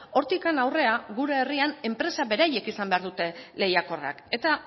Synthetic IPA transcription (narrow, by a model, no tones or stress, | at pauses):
o̞ɾt̪ikanawre̞aɣuɾe̞ːriane̞mpɾe̞saβe̞ɾaje̞kisambe̞aɾðut̪e̞le̞jako̞ra̰ke̞t̪a